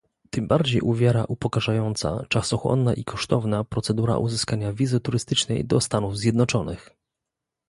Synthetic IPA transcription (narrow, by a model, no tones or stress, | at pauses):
t̪ɘmbaɾd͡ʑejʔuvʲjaɾa̰ʔupɔkaʐajɔnt̪sa̰t͡ʂasɔxwɔ̰nːaʔikʰɔʂt̪ɔvnapɾɔt̪sɛd̪uɾa̰ʔuzɘskaɲavʲizɘt̪uɾɘst̪ɘt͡ʂnɛ̰jd̪ɔst̪anuvzʲjɛd̪nɔt͡ʂɔnɘ̰x